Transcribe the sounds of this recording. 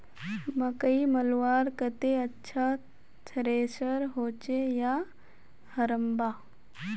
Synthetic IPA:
mɐkəimɐlʋaːɾkət̪eɐtːʃʰa | t͡ʃʰəɾeːsəɾɦoːt͡ʃejaː | hɐɾəmbaː

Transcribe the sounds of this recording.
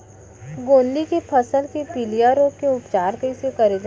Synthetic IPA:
ɡõːnd̪ikepʰɐsəlkepilijaɾoːkkeʊpt͡ʃaːɾkəisekɐɾed͡ʒa

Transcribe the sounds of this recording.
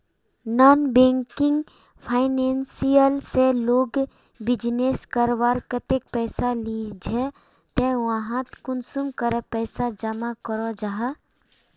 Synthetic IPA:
naːnbẽːŋkɪŋɡ | pʰaːɪnensijəlseloːɡ | bɪd͡ʒneskəɾʋaːɾkət̪ek̚pɛːsalid͡ʒʱɛ | t̪ewãɦãt̪kʊnsumkəɾəpɛːsad͡ʒɐmakəɾɔd͡ʒaɦa

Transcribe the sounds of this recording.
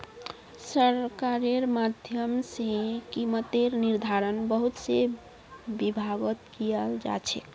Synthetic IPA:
səɾkaɾeɾmad̪ʱjəmsẽkimət̪eɾniɾd̪ʱaɾənbəɦut̪se | bibʱaɡət̪kijəld͡ʒa̰t͡ʃʰɛ̰k

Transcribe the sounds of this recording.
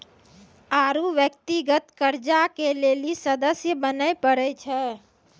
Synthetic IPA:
aːɾuʋjək̚t̪iɡət̪kəɾd͡ʒakelelisəd̪əsjəbənəjpəɾɛt͡ʃʰɛ

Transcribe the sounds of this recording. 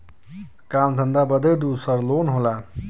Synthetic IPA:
kaːmd̪ʱənd̪abəd̪əjd̪usəɾloːnɦolaː

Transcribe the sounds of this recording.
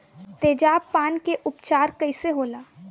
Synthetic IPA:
t̪eːd͡ʒaːbpaːnkeʔʊpt͡ʃaːɾkɐiseɦoːlaː

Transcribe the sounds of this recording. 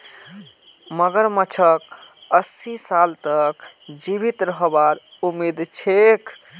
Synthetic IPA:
məɡəɾmət͡ʃʰəkəsisalt̪ək | d͡ʒibit̪ɾəɦbaɾ | umid̪t͡ʃʰek

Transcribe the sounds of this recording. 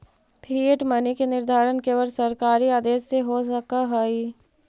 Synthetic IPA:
pʰiːeʈmɐnikenɪɾd̪ʱaːɾənkeːʋəɾsɐɾkaːɾiaːd̪eːsːeɦosəkaɦɐi

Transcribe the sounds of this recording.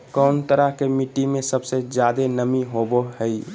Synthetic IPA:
kəːnt̪əɾəɦkemiʈːimẽsəbsed͡ʒjaːd̪enəmiɦoboɦəi

